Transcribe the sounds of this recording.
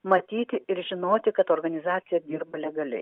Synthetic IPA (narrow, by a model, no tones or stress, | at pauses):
mɐt̪ʲiːt̪ʲɪɪɾʒʲɪnoːt̪ʲɪkɐt̪oːɾɡɐnʲɪzɑːt̪sʲɪjɛd̪ʲiːɾbɐlʲɛɡɐlʲɛ̰ɪ